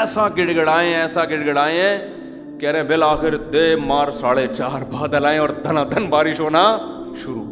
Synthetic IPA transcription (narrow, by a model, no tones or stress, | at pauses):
sãːɡɪɽɡəɽaːẽɛːsãːɡɪɽɡəɽaːẽɛ̃ː | kɛːɾẽːbelaːxɪɾd̪eːmaːɾsaːɽeːt͡ʃaːɾbaːd̪əlaːẽɔːɾd̪ənãːd̪ənbaːɾɪʃoːnaː | ʃʊɾṵː